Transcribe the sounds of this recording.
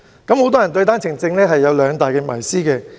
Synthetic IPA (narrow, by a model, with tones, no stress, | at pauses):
kɐ˨˧˥mho˨˥wt̪ɔː˥ɐ˨˩nt̪ɵ˧ɥt̪aː˥nt͡sʰɪ˨˩ŋt͡sɪ˧ŋlɛː˥ɦɐ˨jːɐ˨˧wlœː˨˧ŋt̪aː˨jkɛː˧mɐ˨˩jsiː˥kɛː˧